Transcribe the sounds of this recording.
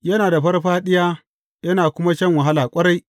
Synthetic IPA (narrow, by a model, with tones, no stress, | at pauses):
jɐ˦naː˨da˨ɸɐ˦rɸaː˦ɗɪ˦jaː˦ | jɐ˦naː˨kʷʊ˦ma˦t͡ʃɐ˦ŋwɐ˨ɦa˦laː˨kʷʼɐ˦ɽa˦j